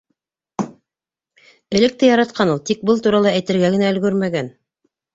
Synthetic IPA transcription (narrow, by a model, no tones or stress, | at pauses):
ɘ̆lɘ̆k̚t̪ɘjɑɾɑt̪qʰɑnulˠt̪ik̚bɤlˠt̪uɾɑlˠɑæjt̪ɘ̆ɾɡæɡɘ̆næɵ̆lɡɵɾmæɡæn